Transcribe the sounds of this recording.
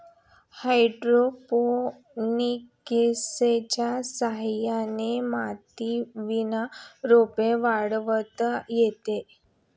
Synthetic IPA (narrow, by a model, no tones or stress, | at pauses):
hajɖɾopo | nikeset͡ɕasaɦjanemat̪iʋinaɾopeʋaɽʋət̪jet̪e